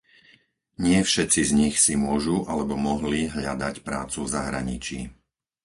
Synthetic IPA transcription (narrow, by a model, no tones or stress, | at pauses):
ɲɪɛfʃɛt͡sizɲixsimʊɔʒuʔalɛbɔmɔɦliɦʎad̪acpɾa̰ːt͡suvzaɦɾa̰ɲit͡ʃḭː